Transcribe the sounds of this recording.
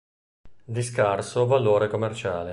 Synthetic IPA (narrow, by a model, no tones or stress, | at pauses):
d̪iskarsovaloːɾekomːert͡ʃaːle